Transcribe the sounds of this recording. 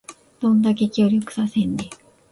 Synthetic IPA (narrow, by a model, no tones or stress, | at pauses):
d̪̥õ̞nd̪ake̞kʲo̞ːɾʲokɯ̟̥sasẽ̞nd̪e